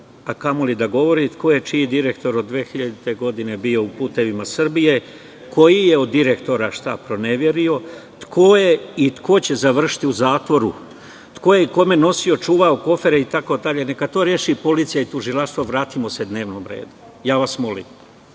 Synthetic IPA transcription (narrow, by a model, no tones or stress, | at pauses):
akamo̞lid̪aɡo̞ʋo̞ɾit̪kʰo̞je̞t͡ʃijid̪iɾe̞kt̪o̞ɾod̪ːʋeːxiʎad̪it̪e̞ɡo̞d̪ine̞bio̞upuːt̪e̞ʋimasr̩bije̞ | ko̞jijeod̪ːiɾe̞kt̪o̞ɾaʃt̪a̰pɾo̞ne̞ʋje̞ɾio̞t̪kʰojeit̪ko̞t͡ɕe̞zaʋr̩ʃi̥t̪iuzaːt̪ʋo̞ɾu | t̪ko̞jeiko̞me̞no̞sio̞t͡ʃuːʋaoko̞fe̞ɾeit̪ako̞d̪aʎe̞nekat̪o̞ɾjeːʃipo̞liːt̪sijait̪uʒilaʃt̪ʋoʋɾaːt̪imo̞se̞d̪ne̞ːʋnomɾḛːd̪u | jaːʋasmo̞lḭm